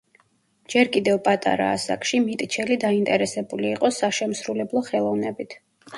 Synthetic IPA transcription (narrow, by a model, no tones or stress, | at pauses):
d͡ʒɛɾkʼid̪ɛvpʼat̪ʼa̰ɾa̰ːsa̰kʼʃimit̪ʼt͡ʃʰɛlid̪aint̪ʼɛɾɛsɛbuliːqʼɔsaʃɛmsɾulɛblˠɔχɛlˠɔvnɛbit̪ʰ